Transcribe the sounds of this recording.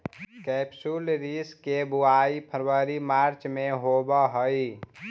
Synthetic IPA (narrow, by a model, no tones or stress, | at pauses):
kɛpsulɾiskebuaipʰəɾwəɾimaɾt͡ʃmeɦobəɦəi